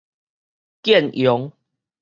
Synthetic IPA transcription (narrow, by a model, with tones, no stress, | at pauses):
kjɛ˥˨njɔ˨˦ŋ